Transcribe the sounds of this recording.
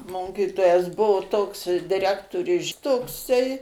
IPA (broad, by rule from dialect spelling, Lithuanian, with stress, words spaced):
ˈmoːkʲiːtoːjɛs ˈbʊʋoː ˈtoːks dʲɪˈrʲæːktoːrʲʊɪ ˈʃʲɪtoːksɐɪ